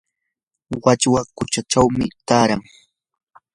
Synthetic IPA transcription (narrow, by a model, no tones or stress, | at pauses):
wat͡ʃwakʊt͡ʃaʈ͡ʂawmɪt̪aːɾaŋ